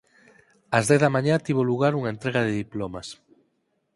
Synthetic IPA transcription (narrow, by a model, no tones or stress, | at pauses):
ɐzðɛθðɐmãɲãt̪iβoluɣ̞aɾuŋaent̪ɾeɣaðeðiplomas